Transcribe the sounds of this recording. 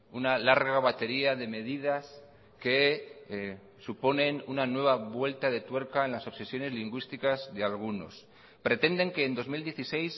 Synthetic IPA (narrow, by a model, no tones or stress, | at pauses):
unalaɾɣaβat̪e̞ɾiaðe̞me̞ðið̞as | ke̞ | supo̞nẽ̞nunanwe̞βaβwe̞lt̪aðe̞t̪we̞ɾkae̞nlaso̞βse̞sjo̞ne̞zliŋɡwist̪ikazðe̞alɣ̞uno̞̰s | pɾe̞t̪e̞nd̪e̞ŋke̞ːnd̪o̞zmild̪je̞θise̞js